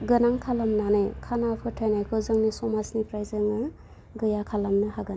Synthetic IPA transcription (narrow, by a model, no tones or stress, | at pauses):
ɡɯnaŋkʰalamnanajkʰanapʰkʰɯtʰajnajkʰɔzɯŋnisɔmasnipɾajzɯŋɯ | ɡɯjakʰalamnɯhaɡɯn